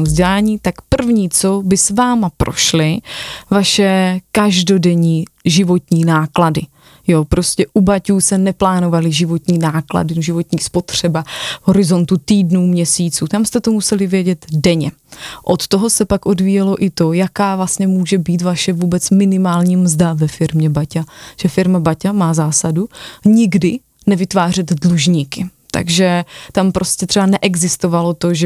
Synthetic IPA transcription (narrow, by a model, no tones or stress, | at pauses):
ozɟɛlaːɲiːt̪akpr̩vɲiːt͡so̞bɪsvaːmapɾʔo̞̰ʃlɪvaʃɛkaʒdo̞dɛɲiːʒɪvo̞t̪ɲiːnaːkladɪ | jopɾo̞scɛʔubacuːsɛnɛplaːno̞valɪʒɪvo̞t̪ɲiːnaːkla̰dɪʒɪvo̞t̪ɲiːspo̞t̪r̝̥ɛbaɦo̞ɾɪzo̞nt̪ut̪iːdnuːmɲɛsiːt͡suːt̪amst̪ɛt̪o̞musɛlɪvjɛɟɛd̪dɛɲɛ | ʔot̪t̪oɦo̞sɛpakʔo̞dviːjɛlo̞ʔɪt̪o̞jakaːvlastɲɛmuːʒɛbiːt̪vaʃɛvuːbɛt͡smɪnɪmaːlɲiːmzdavɛfɪɾmɲɛbacaʒ̥ɛfɪɾmabacamaːzaːsaduɲɪɡdɪ | nɛvɪt̪vaːrɛd̪dluʒɲiːkɪ | t̪a̰ɡʒɛt̪ampɾo̞scɛt̪r̥ɛbanɛʔɛɡzɪst̪o̞valo̞t̪o̞ʒɛ